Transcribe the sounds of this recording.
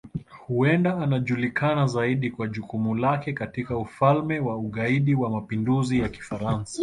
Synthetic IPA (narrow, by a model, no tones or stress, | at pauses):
huɛndaːnaʄulikanazaiɗikwaʄukumulakɛkatikaufalmɛwauɠaiɗiwamapinduzijaki̥faɾansḁ